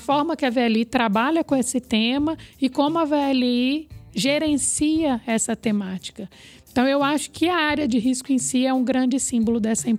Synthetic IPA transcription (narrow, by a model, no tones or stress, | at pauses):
fɔɾmɐkɪɐveɛlit̪ɾabaʎɐkõesɪt̪ẽmɐɪkõmʊɐveɛliʒeɾẽsiɐɛsɐt̪emat͡ʃi̥kɐ̃ | t̪ɐ̃w̃ewaʃʊ̥kɪɐaɾjɐd͡ʒɪɦiskʊẽsiɛũɡɾɐ̃d͡ʒɪsĩmbolʊd̪ɛsɐĩ